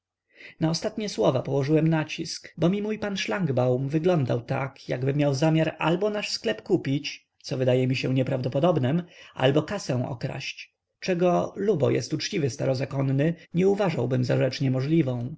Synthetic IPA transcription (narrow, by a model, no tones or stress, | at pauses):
naɔst̪at̪ɲɛswɔvapɔwɔʐɘwɛmnat͡ɕiskbɔmʲimujpanʂlaŋɡbawmvɘɡlɔnd̪awt̪a̰kjaɡbɘmʲjawzamʲjaɾa̰lbɔnaʂsklɛpkupʲit͡ɕ | t̪sɔvɘd̪ajɛmʲiɕɛ̃ɲɛpɾavd̪ɔpɔd̪ɔbnɛmʔa̰lbɔkasɛ̃w̃ʔɔ̰kɾa̰ɕt͡ɕ | t͡ʂɛɡɔlubɔ̰jɛ̰st̪ut͡ʂt͡ɕivɘst̪aɾɔzakɔnːɘɲɛuvaʐawbɘmzaʐɛt͡ʂɲɛmɔʐlʲivɔ̃w̃